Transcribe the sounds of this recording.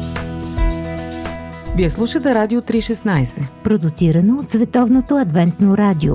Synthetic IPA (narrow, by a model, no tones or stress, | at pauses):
viɛslˠuʃət̪ɛɾad̪ʲiot̪ɾiʃɛsnajsɛpɾod̪ʊt̪siɾɐnoːt̪svɛt̪ɔvnot̪oɐd̪vɛnt̪noɾad̪ʲio̰